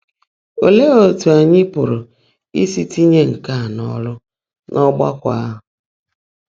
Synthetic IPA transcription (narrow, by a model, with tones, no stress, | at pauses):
o˨le˦o˦tu˨a˨ɲɪ˦pʊ˨ɾʊ˨ | i˦si˦ti˦ɲe˦ŋ̩˨ka˦˨nɔ̰˦lʊ˦ | nʔɔ˦ɡ͡ba̰˦kʷa̰˦ɦʊ˨˦